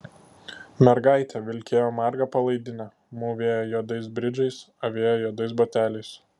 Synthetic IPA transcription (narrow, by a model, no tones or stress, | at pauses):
mʲɛɾɡɑˑɪt̪ʲɛʋʲɪlʲkʲeːjoːmɑɾɡɑpɐlˠɐɪd̪ʲɪnʲɛ | muːʋʲeːjojod̪ɐɪsbʲɾʲɪd͡ʒɐɪs | ɐʋʲeːjojoːd̪ɐɪsbɐt̪ʲæːlʲɛɪs